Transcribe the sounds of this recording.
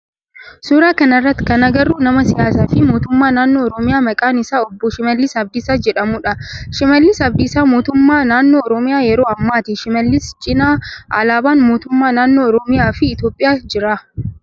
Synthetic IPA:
suːɾaːkɐnɐrːɐt̪ːɪ̥kɐnɐɡɐrːuːnɐmɐsɪjaːsaːfɪmoːt̪ʊmːaːnaːnːoːɔɾɔmɪjaːmɐkʼaːnɪsaːɔbːɔʃɪmɐlːɪsɐb̚d̪ɪsaːd͡ʒɛᶑɐmʊᶑɐʃɪmɐlːɪsɐb̚d̪ɪsaːmoːt̪ʊmːaːnaːnːo̞ːɔɾɔmɪjaːjɛɾoːɐmːaːt̪ɪʃɪmɐlːɪst͡ʃʼɪnaːʔɐlaːbaːnmoːt̪ʊmːaːnaːnːo̞ːɔɾɔmɪjaːfɪːt̪jo̞ːpʼːɪjaːd͡ʒɪɾa

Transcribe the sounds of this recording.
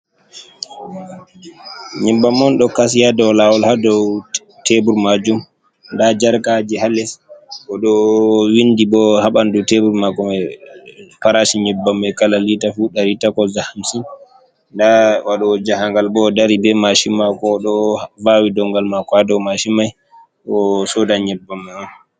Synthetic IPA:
ɲɛmbamːɔnɗɔkas̬ijadɔwlawɔlhadɔw | tebuɾmad͡ʒum | ndad͡ʒaɾkad͡ʒihalɛsʔɔɗɔwindibɔhaɓandutebuɾmakɔmɛ | paɾaʃiɲɛbːamːɛkalalitafuɗaɾitakɔzahamsin | ndawaɗɔd͡ʒahaŋɡalbɔdaɾibɛmaʃimːakɔɗɔvawidɔŋɡalmakɔhadɔwmaʃimːaj | ʔɔsɔdaɲɛbːamːaan

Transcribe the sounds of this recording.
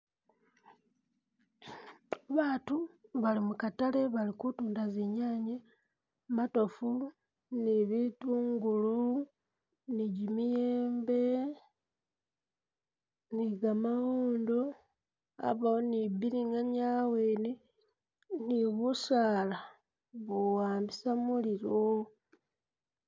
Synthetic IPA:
βaːtuβalimukataleβalikutuːndaziɲaːɲe | mato̞fu | niβituːŋɡulu | niɟimijeːmbe̞ | niɡamahoːndo | a̰βaonibiɾiŋaɲaweːne | niβusaːla | βowaːmbisamuliɾo

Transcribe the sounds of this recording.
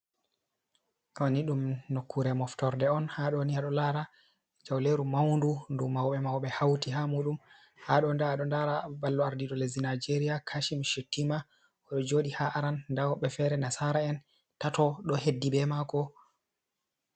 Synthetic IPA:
ʔɔniɗumnokʰːuɾɛmɔftɔɾdɛɔnhaɗɔniaɗɔlaɾa | d͡ʒawleɾumawndundumawɓɛmawɓɛhawtiɦamuɗum | haɗɔndaɗɔndaɾabalːɔaɾdiɗɔlezinajd͡ʒeɾijakʰaʃimʃetːima | ɔɗɔd͡ʒoɗihaʔaɾanːdawɓɛfɛɾɛnasaɾaɛn | tatɔɗɔhedːibɛmakɔ

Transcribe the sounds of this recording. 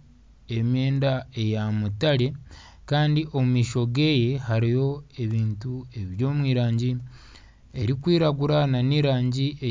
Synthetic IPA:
emjeːndae̞jamutaɾe̞ | kaːndiʔo̞mumiːʃo̞ɡe̞ːje̞haɾijo̞e̞βiːntue̞βjo̞ːmwiːɾaːɲɟi | e̞ɾikwiːɾaɡuɾananiːɾaːɲɟiʔe

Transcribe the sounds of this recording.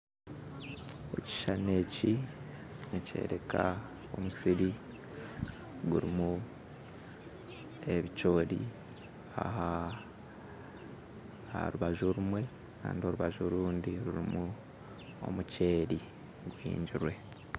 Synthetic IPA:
e̞̰ci̥ʃane̞ːci | nice̞̰ːɾe̞ka | o̞musiɾi | ɡuɾimu | e̞βico̞ːɾḭ | a̰ha | a̰ɾuβaʒuɾumwe̞ | ka̰ːndio̞ɾuβaʒuɾuːndiɾuɾimu | o̞̰muce̞ːɾi | ɡwḭːɲɟiɾwe̞

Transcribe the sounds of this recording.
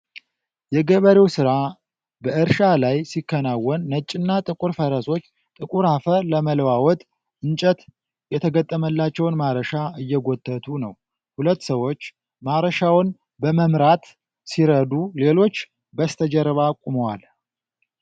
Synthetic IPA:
jɛɡəβəɾewsɨɾa | bəʔɨɾʃalajsikːənawːɔnːət͡ʃʼɨnːat̪ʼɨkʼuɾfəɾəso̞t͡ʃː | t̪ʼɨkʼuɾhafəɾləməlwawɔt̪ʼ | ʔɨnt͡ʃʼət̪ | jɛt̪ʰəɡət̪ʼːəməlːat͡ʃːɛwnmaɾəʃaɨjːɛɡot̪ʰʼːət̪ʰunəw | hulət̪ːsəwo̞t͡ʃː | maɾəʃawn | bəməmɾat̪ | siɾəd̪ule̞lo̞t͡ʃː | bəst̪ʰəd͡ʒɛɾβakʷʼuməwal

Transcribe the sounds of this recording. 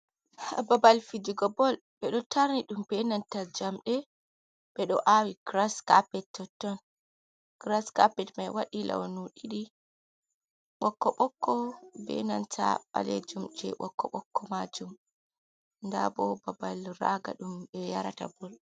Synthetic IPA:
ababalfid͡ʒuɡɔbɔl | ɓɛɗɔtʰaɾniɗumbɛnantad͡ʒamɗɛ | ɓɛɗɔ̰ʔawiɡ̥ɾaskapɛtːɔtːɔn | ɡ̥ɾaskapɛtmajwaɗilʔa̰wnuɗiɗi | ɓɔkːɔɓɔkʰːɔbɛ̰nantʰa̰ɓa̰led͡ʒumd͡ʒɛ̰ɓɔkʰːɔɓɔkʰːɔmad͡ʒum | nda̰bɔbabalɾaɡa̰ɗumɓɛjaɾata̰bɔl

